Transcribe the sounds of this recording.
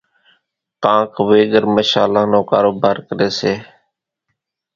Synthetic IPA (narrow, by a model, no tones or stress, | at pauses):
kãːkʰʋeːɠəɾməʃaːlãːnõːkaːɾoːbaːɾkəɾeːseː